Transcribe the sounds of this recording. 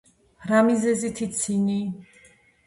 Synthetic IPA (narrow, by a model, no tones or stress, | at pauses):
ɾamizɛzit̪ʰit̪sʰini